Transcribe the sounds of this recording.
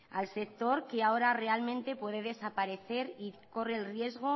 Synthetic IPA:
alse̞k̚t̪o̞ɾkeaoɾare̞almẽnt̪e̞pwe̞ðe̞ðe̞sapaɾe̞θe̞ɾiko̞re̞lrje̞zɣo̞

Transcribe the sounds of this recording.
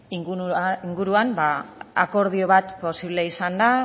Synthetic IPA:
iŋɡuiŋɡuɾuambaa̰ko̞ɾð̞io̞β̞at̪po̞siβleisand̪a

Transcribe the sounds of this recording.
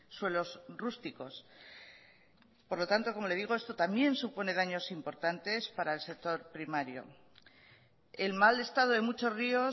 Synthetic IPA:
swe̞lo̞srust̪iko̞s | po̞ɾlo̞t̪ant̪o̞ko̞mo̞le̞ðiɣ̞o̞e̞st̪o̞t̪ambje̞nsupone̞ð̞aɲo̞simpo̞ɾt̪ant̪e̞spaɾaelse̞k̚t̪o̞ɾpɾimaɾjo̞̰ | e̞lmale̞st̪aðoðemut͡ʃo̞zrio̞

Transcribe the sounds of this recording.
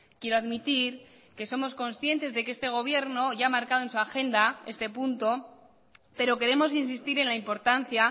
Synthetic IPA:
kje̞ɾoaðmit̪iɾ | ke̞so̞mo̞sko̞nsθje̞nt̪e̞zðe̞keest̪e̞ɣ̞o̞β̞je̞ɾno̞ʝaamaɾkaðonsuaxe̞nd̪ae̞st̪e̞punt̪o̞ | pe̞ɾo̞ke̞ɾe̞mo̞s̬insist̪iɾe̞nlaimpo̞ɾt̪anθja

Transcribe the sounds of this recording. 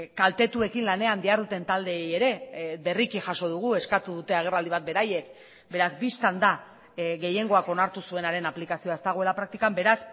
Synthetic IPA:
kalt̪e̞t̪ue̞kinlane̞and̪iaɾðut̪e̞nt̪ald̪e̞ːje̞ɾe̞βe̞rikixaso̞ð̞uɣ̞ue̞skat̪uðut̪e̞aɣ̞e̞rald̪iβat̪̚be̞ɾaje̞k | be̞ɾazbist̪and̪a | ɣe̞je̞ŋɡo̞ako̞naɾt̪usue̞naɾe̞naplikasioae̞st̪aɣ̞o̞e̞lapɾak̚t̪ikambe̞ɾas

